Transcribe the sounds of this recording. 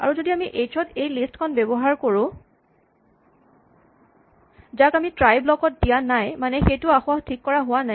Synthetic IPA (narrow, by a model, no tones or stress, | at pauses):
a̰ɹuzodiamiʔejtʰɔtejlistkʰɔnbɛbɔɦaɹkoɹʊ̃ | zakamitɹajblɔkɔt̚dijanajmanɛxejtʊaxʊaxtʰikːɔɹaɦʊwana